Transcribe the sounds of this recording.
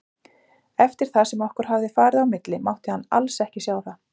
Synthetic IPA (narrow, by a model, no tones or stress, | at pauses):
ɛft̪ɪɾ̥θasɛmɔhkʏɾ̥hɦavðɪfaːɾɪðawmɪt̪lɪmawht̪ɪhanːa̰lsɛhcɪsjaːwθa